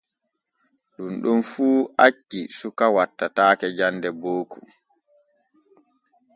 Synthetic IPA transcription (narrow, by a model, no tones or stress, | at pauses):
ɗunɗunfuːʔat͡ʃːisukawatːataːkɛd͡ʒandɛboːkṵ